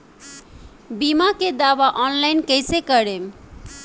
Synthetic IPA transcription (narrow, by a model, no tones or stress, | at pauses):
bimaked̪awaʔɔnlajnkejsekʌɾem